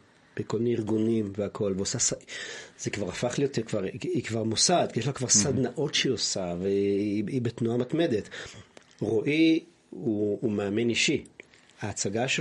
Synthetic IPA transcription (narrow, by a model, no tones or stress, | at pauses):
b̥ekomineiʁɡunimveakʰo̞lveosasaz̥ekvaʁafaχlijot̪ekvaʁikvaʁmosaːd̪kijeʃlakvaʁsad̪naʔo̞tʃeiosaveiibetnuamatme̞d̪e̞t | ʁoʔi | uːmeːme̞niʃi | haːt͡saɡaʃe